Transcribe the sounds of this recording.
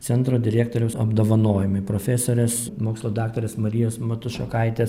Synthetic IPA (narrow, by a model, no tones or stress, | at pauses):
t̪ʲɛnt̪ɾoːd̪ʲɪɾʲæːkt̪oːɾʲɛʊsɐbd̪oːʋɐnoːjɪmɐɪpɾoːfʲæsoːɾʲɛsmoːkslˠoːd̪ɑːkt̪oːɾʲɛsmɐɾʲɪjoːsmɐt̪ʊʃʲokɐɪt̪ʲes